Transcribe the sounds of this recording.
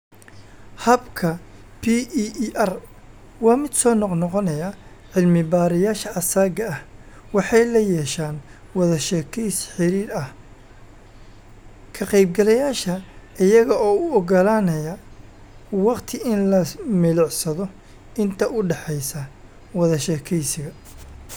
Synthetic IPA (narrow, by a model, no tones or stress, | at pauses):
hɐbkʰɐpʰiʔɐr | wɑːmɪd̪sɔːnɔqnɔqɔnɐjɐ | ʕɪlmɪbaːɾɪjaːʃɐʔɐsaːɡɐɐh | wɑħɑjlɐjɛːʃaːn | wɑðɐʃɛːkʰɛjsħɪɾiːɾɐh | kʰɐqɛjb̚ɡɐlɐjaːʃɐʔɪjɐɣɐɔːʊɔɣɐlaːnɐjɐ | wɑqt̪ʰɪʔɪnlɐmɪlɪʕsɐðɔ | ʔɪnt̪ʰɐʔʊɖɛħɛjsɐ | wɑðɐʃɛːkʰɛjsɪɣɐ